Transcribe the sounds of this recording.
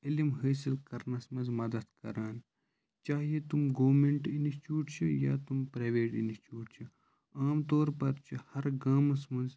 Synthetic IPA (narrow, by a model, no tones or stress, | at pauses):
ilimɦəːsilkɐɾnɐsmɐ̃nzmɐd̪ɐd̪kɐ̰ɾaːn | t͡ʃaːɦijet̪umɡoːʋmeɳʈinst͡ʃjuːʈt͡ʃʰuja̰ːt̪umpɾaːʋeːʈḭnst͡ʃuːʈt͡ʃʰu | aːmt̪oːɾpɐɾt͡ʃʰihɐɾɡaːmɐsmɐ̃nz